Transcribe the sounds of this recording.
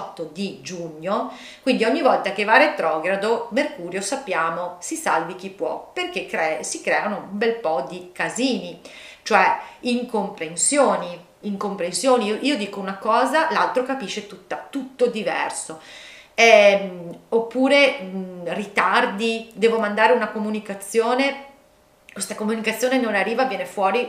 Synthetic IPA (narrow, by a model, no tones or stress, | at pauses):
t̪ːod̪id͡ʒuɲːo | kwind̪iɔɲːivɔlt̪ak̟evaret̪ːɾɔɡɾad̪omerkuːɾjosapːjaːmosisalvik̟ipːwɔperk̟ekːɾɛsikɾɛːanoumbɛlpɔd̪ikaziːni | t͡ʃoɛiŋkompɾensjoːni | iŋkompɾensjoːniʔiːod̪iːkounakɔːzalalt̪ɾokapiʃːet̪ut̪ːat̪ut̪ːod̪ivɛ̰rso | ɛ | opːuːɾe | rit̪ard̪id̪ɛːvomand̪aːɾeunakomunikat̪sːjoːne | kwest̪akomunikat̪sːjoːnenonarːiːvavjɛːnefwɔːɾi